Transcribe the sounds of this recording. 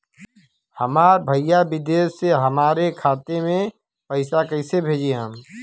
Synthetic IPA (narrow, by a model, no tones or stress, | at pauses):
həmaːɾbʱəijabɪd̪eːʃseɦɐmaːɾekʰaːt̪emẽ | pəɪsakəɪsebʱeːd͡ʒeɦəm